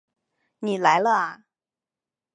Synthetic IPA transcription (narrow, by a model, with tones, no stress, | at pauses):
ni˨˩la˧˥ɪlə˧a˨˩